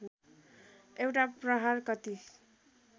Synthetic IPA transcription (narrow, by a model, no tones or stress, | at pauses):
ewʈaprʌɦarkʌt̪i